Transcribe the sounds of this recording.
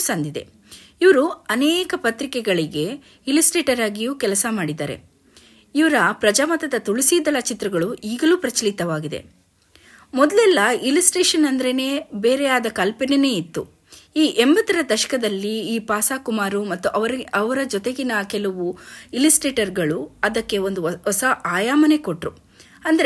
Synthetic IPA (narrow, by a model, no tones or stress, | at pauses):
sɐnd̪id̪e̞̰ | iʋɐɾuɐnɛːkɐpɐt̪ɾikɛɡɐɭiɡe̞ | ilisʈɾeːʈɐɾaːɡijuːkɛlɐsɐmaːɽid̪a̰ːɾe̞̰ | iʋɐɾɐpɾɐd͡ʒaːmɐt̪ɐd̪ɐt̪uɭisid̪ɐlɐt͡ʃit̪ɾɐɡɐɭuʔiːɡɐluːpɾɐt͡ʃɐlit̪ɐʋaːɡid̪e̞̰ | mɔd̪lɛlːɐilisʈeːʃɐnɐnd̪ɐɾe̞ne̞ːbe̞ːɾeaːd̪ɐkɐlpinene̞ːit̪ːu | iːʔe̞mbɐt̪ɐɾɐd̪ɐʃɐ̥kɐd̪ɐlːiiːpaːsaːkumaːɾumɐt̪ːuʔɐʋɐɾɐʋɐɾɐd͡ʒɔt̪e̞ɡinɐkɛlɐʋuilisʈɾeːʈɐɾɡɐɭuɐd̪ɐkːe̞o̞nd̪uɔsɐʔaːjaːmɐne̞ko̞ʈɾu | ɐnd̪ɐɾe